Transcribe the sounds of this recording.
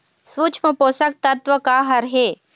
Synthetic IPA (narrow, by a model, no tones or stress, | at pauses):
sʋut͡ʃʰməpoːsɐk̚t̪ɐt̪ʋəkaːɦɐɾɦeː